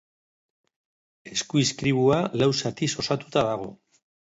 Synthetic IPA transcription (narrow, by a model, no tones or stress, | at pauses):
e̞skuiskɾiβ̞ualawsat̪iso̞sat̪u̥t̪aðaɣ̞o̞̰